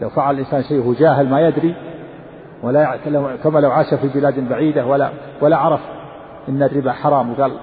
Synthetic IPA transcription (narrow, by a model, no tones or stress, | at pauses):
lawfaʕalalʔɪnsaːnʃajʔhud͡ʒaːɦɪlmajad̪ɾi | walalakamalawʕaʃafibɪlaːd̪baʕiːd̪awala̰ | walaʕɑɾˤɑf | ʔɪnːarːɪbaħɑɾˤɑːmwɡaːl